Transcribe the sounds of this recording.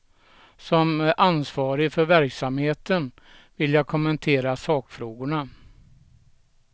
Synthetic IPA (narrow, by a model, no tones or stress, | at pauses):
sɔmæʔansvɑːɾɪfœɾvæɾksamheːt̪ən | vɪlːjaːkʰɔmənt̪ʰeːɾasɑːkfɾoːɡʊɳa